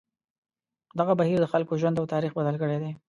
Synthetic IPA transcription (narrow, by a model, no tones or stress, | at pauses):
d̪aɣabahiɾd̪əxalkoʒwand̪awt̪ɑɾixbad̪əlkəɽed̪e